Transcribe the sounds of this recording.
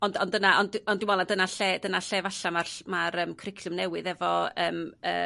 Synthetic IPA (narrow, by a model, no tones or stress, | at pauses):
ɔndɔndənaʔɔndɔndɪnmwɔlˠandənaɬɛdənaɬɛvaɬamarmaɾəːmkʰrɪkʰlʊmnɛwɨðɛvɔəːmə̰ː